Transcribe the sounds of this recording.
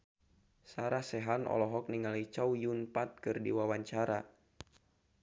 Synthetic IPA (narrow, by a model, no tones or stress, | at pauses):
saɾasɛɦanɔ̰lɔɦɔk̚niŋalit͡ʃaujunpat̪̚kɨrdiwawaɲt͡ʃaɾa